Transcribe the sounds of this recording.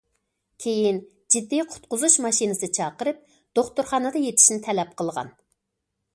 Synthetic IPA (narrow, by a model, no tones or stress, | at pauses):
kʲʰejin | d͡ʒid̪ːijqʰʊ̥t̪̚qʊzuʃmɑʃinɨsɨt͡ʃʰɑːqəɾɨp̚ | d̪̥oχt̪ʊɾχɑnɨd̪ɑjet̪ʰɪ̥ʃnɪt̪ʰɛlɛp̚qʰəlˠʁɑ̰n